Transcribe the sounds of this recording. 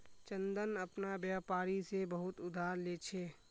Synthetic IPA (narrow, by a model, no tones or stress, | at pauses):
t͡ʃə̃nd̪ənəpnabjaːpaːɾisebəɦʊt̪ʊd̪ʱaːɾleːt͡ʃʰeː